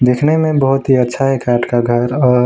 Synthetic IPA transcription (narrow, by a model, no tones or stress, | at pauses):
d̪ekʰnemẽbəɦʊt̪ɦiətːʃʰaɦɛkaːʈkaɡʱəɾɔː